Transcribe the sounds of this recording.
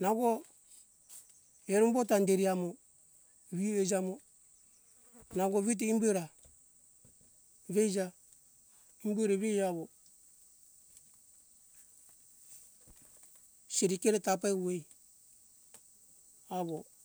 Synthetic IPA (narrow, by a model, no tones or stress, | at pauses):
naɡo | eɾumbotandeɾiamo | βied͡ʒamo | naɡoβit̬eimbueɾa | βed͡ʒa | imbueɾaβejaβo | seɾikeɾetap̬awej | aβo